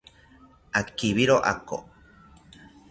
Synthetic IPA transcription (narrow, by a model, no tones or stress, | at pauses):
akiβiɾoʔa̰ko̰